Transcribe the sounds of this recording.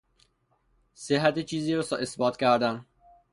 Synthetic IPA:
seɦæt̪et͡ʃʰiːziːɾɔsʔesbɒːt̪kʲæɾd̪æn

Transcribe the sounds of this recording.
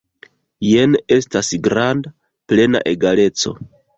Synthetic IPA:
je̞ne̞stasɡɾanda | ple̞na̰ʔe̞ɡale̞t͡so̞̰

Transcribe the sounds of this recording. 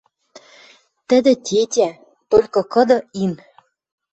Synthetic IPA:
t̪ə̆d̪ɘ̆t̪ʲetʲæ | t̪olʲkɤ̆kɤ̆d̪ɤ̆in

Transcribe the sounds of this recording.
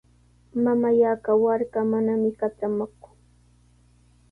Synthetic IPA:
mamajakawaɾkamanamɪkat͡ʃamakʊŋ

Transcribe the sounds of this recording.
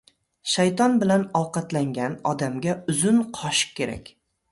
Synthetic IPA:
ʃajt̪ʰɒnbɪlanɒwqɑt̪laŋɡʲanɒd̪amɡʲaʊzʊnqʰɒʃkʲʰːe̞ɾa̰kʲ

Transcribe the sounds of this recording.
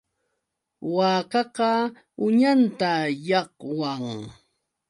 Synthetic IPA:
waɑːkɑqɑ | ʊɲant̪ajɑqwaŋ

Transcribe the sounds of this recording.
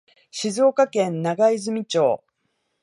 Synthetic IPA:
ɕizo̞ːkakẽ̞nnaɡaizɨmʲit͡ɕo̞ː

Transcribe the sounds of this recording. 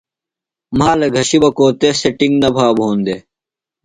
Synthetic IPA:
maːlɐɡʱɐɕibɐkoːt̪eseʈiŋɡnɐbʱaːbʱoːnd̪eː

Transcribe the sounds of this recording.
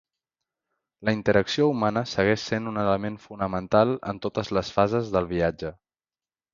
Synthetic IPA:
ləint̪əɾəksioumanəsəɣɛʃsenunələmenfunəmənt̪alˠə̰nt̪ot̪əzləsfazəzðəlˠβiad͡ʒə

